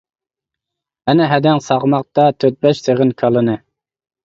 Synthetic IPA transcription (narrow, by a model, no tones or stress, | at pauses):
ɛnɪɦɛd̪ɛŋsɑʁmɑq̚t̪ɑt̪ʰøt̪̚bɛʃsʰeʁɪnkʰɑlˠɨnɨ